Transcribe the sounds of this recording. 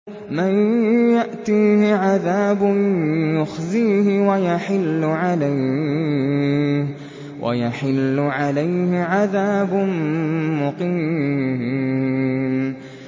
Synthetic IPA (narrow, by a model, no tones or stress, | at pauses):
manjaʔt̪iːhɪʕaðaːbʊjʊxziːɦɪwajaħɪlːʊʕalaj | wʔa̰jaħɪlːʊʕalajhɪʕaðaːbʊnmʊqiːmmhɪ